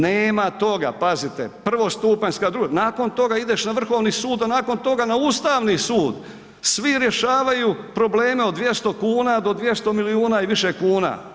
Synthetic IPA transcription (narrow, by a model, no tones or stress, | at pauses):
neːmat̪o̞ɡa̰pazit̪epr̩ʋo̞st̪uːpaɲskad̪ɾunaːko̞nt̪o̞ɡaid̪e̞ʃnaʋr̩xo̞ʋnisuːd̪anaːko̞nt̪o̞ɡanauːst̪aːʋnisuːd̪ | sʋiɾje̞ʃaːʋajupɾo̞ble̞ːme̞od̪ʋje̞st̪o̞kuːnad̪o̞d̪ʋje̞st̪o̞miliuːnaiʋiʃekuːna̰ː